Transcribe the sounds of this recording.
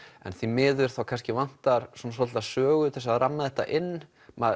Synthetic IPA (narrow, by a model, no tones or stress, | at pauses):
ɛ̰nθimɪːðʏɾ̥θawkʰanscɪvan̥t̪aɾ̥sɔns̬ɔ̥t̪asœːɣʏt̪θɛsaðranːaðɛht̪a̰ʔɪnː | mɛ